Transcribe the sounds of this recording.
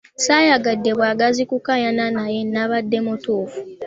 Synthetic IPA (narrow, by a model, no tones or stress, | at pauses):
sajaɡadːe̞βwaːɡazikukajananajenːaβadːe̞mutuːfu̥